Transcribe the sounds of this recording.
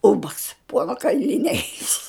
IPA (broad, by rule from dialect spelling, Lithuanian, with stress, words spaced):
ˈuːbɐks ˈpuɔnɐ kɐɪlʲɪˈnʲɛɪ